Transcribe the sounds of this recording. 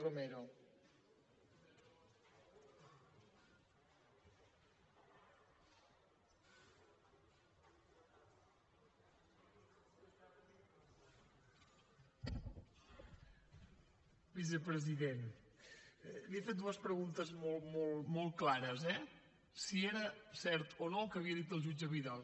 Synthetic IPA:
romeɾo | bis̬əpɾəziðen | liefet̪̚d̪uəspɾəɣunt̪əzmolˠmolˠmolˠt̪̚klaɾəzɛ | sieɾəsɛɾt̪onokəːβiəðit̪əlˠʒud͡ʒəβiðalˠ

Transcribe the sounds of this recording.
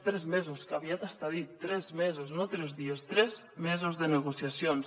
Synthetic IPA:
t̪ɾɛzmɛzuskaβiat̪əst̪aðit̪ːɾɛzmezoznot̪ɾezðiest̪ɾɛz | mɛzuzðənəɣusjasjons

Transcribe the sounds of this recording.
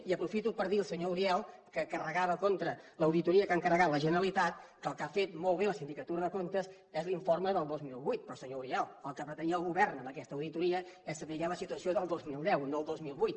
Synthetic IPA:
iəpɾufit̪upəɾðiəlˠsəɲouɾiɛlˠkəkərəɣaβəkont̪ɾələwðit̪uɾiəkaŋkərəɣat̪ləʒənəɾəlit̪at̪̚kəːlˠkafet̪mɔlˠβeləsind̪ikət̪uɾəðəkont̪əz | ɛzliɱforməðəlˠd̪ozmilˠβujt̪̚pɾɔsəɲouɾiɛlˠəlˠkəpɾət̪əniəlˠɣuβɛrnəmbəkɛst̪əwðit̪uɾiəɛsəβiʎaləsit̪uəsioðəlˠd̪ozmilˠd̪ɛwinoəlˠd̪ozmilˠβujt̪̚

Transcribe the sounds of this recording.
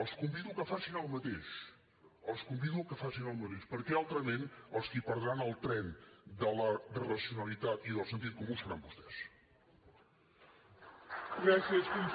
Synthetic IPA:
əlˠskumbiðulˠkəfasinəlˠmət̪eʃ | əlˠskumbiðulkəfasinəlˠmət̪eʃpəɾkɛalˠt̪ɾəmenəlˠskipəɾðɾanəlˠt̪ɾɛnd̪ələrəsiunəlit̪at̪iðəlˠsənt̪̬it̪̚kumusəɾambust̪ɛs | ɡɾasiəskun

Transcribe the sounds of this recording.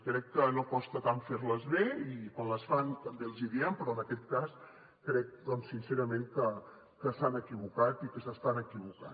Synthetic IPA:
kɾɛkːənokɔst̪ət̪aɱfeɾləzβeikanləsfant̪əmbelˠziðiɛmpɾɔənəkɛt̪kas | kɾɛk̚d̪ɔnsːinseɾəmeŋkə | kəsanəkiβukat̪ikəsəst̪anəkiβuka̰n

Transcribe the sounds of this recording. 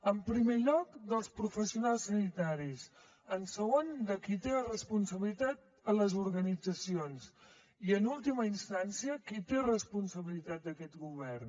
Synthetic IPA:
əmpɾimeʎɔkd̪əlˠspɾufəsiunalˠsːənit̪aɾis | ənsəɣ̞ond̪əkit̪erəspunsəβilit̪at̪̚ | ələzuɾɣənid͡zəsions | iənulˠt̪iməinst̪ansiəkit̪erəspunsəβilit̪at̪̚d̪əkɛt̪ɡuβ̞ɛrn

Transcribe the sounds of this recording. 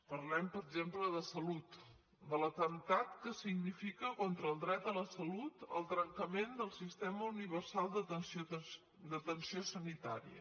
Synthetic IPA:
pəɾlɛmpəɾəɡzempləðəsəlut̪ | d̪ələt̪ənt̪at̪kəsiɡnifikəkɔnt̪ɾəːlˠd̪ɾɛt̪ələsəlut̪ə̰lˠt̪ɾəŋkəmend̪əlˠsist̪ɛməuniβ̞ərsalˠd̪əəs | d̪ət̪ənsiosənit̪a̰ɾḭə̰

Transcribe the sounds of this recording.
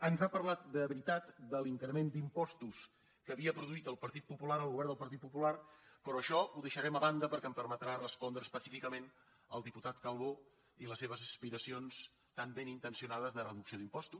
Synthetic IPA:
ənzapərlat̪̚d̪əβɾit̪at̪d̪əliŋkɾəmend̪impɔst̪us | kəːβiəpɾuðuit̪əlˠpəɾt̪it̪̚pupulaɾəlˠɣuβɛɾnd̪əlˠpəɾt̪it̪̚pupularpɾɔəʃɔuðəʃəɾɛməβand̪əpəɾkɛəmpəɾmət̪ɾarəspɔnd̪ɾəːspəsifikəmen | ə̰lˠd̪iput̪at̪kəlˠβo | iləsːeβ̞əzəspiɾəsions | t̪ambenint̪ənsiunað̞əzðərəðuksioðimpɔst̪us

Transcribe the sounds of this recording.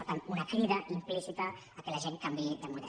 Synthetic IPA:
oɾt̪anunakɾiðɐʔimplisit̪aː | kelaʒeŋkambiid̪əmuð

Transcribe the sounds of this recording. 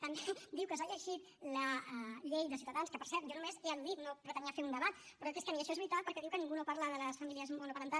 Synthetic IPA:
t̪əmbed̪iwkəsaʎəʒit̪ | ləʎejðəs̬iut̪aðanskəpəɾsɛɾt̪ʒonumezeand̪ik̪nopɾət̪əniəfeund̪əβat̪pɾɔt̪eskəniəʃɔezβit̪alˠpəɾkɛðiwkənĩŋɡunopaɾləðələsfəmiliəzmonopəɾənt̪a

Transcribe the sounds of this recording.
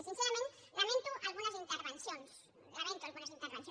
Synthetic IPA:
esĩnθeamẽn | lamẽnt̪uʔalɣunasint̪eɾβenθjons | lamẽnt̪ualɣunasint̪eɾβenθj

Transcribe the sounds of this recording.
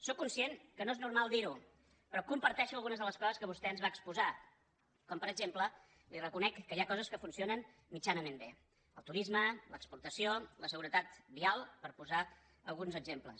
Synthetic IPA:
sokːunsieŋkənoeznuɾmalˠd̪iɾu | pɾɔkumpəɾt̪ɛʃuəlˠɣunəzðələskɔzəskəβ̞ust̪ɛənzβaəkspuza | kɔmpəɾəɡʒemplə | lirəkunɛkːəjakɔzəskəfunsionən | mit͡ʃanəmembe | əlˠt̪uɾizmələkspuɾt̪əsioləsəɣ̞uɾət̪at̪bialˠpəɾpuza | əlˠɣunzəɡzemplə̰s

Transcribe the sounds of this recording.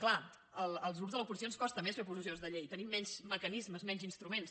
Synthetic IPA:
kla | əlˠəlˠzɣɾupzðələup̬uzis̬jonskɔst̪əmesfepuzisionzðəʎejt̪ənimːɛɲzməkənizməzmɛɲzinst̪ɾumens

